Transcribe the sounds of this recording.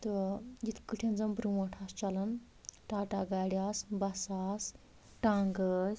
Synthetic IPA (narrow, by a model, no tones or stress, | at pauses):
t̪ɨd͡ʒit̪ʰkɨʈʰʲɐnzɐmbɾuwɐʈʰast͡ʃɐlɐn | ʈaːʈaɡaːɽʲaːsbɐsaːs | ʈaŋɡəs